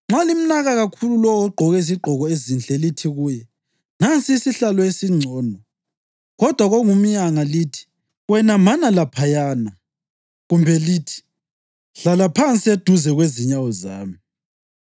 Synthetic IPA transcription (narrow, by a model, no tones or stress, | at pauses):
ŋ͡ǁalim̩naɣaɣakʰululɔwɔɡ͡ǃʱɔɣɛis̬iɡ͡ǃʱɔɣɔezint͡ɬʼɛlitʰiɣuːjɛ | nant͡sʼisiɬalɔesiŋ͡ǀʱɔːnɔ | ɣɔd̥ʱwaɣoŋum̩jaŋalitʰi̥ | wɛnamanalapʰajaːna | ɣumbʱɛliːtʰi̥ | ɬalapʰant͡sʼied̥ʱuzɛɣweziɲawɔza̰ːmi